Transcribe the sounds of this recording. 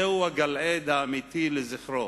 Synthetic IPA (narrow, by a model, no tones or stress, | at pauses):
ehuhaɡaled̪aːmit̪ileziχɾo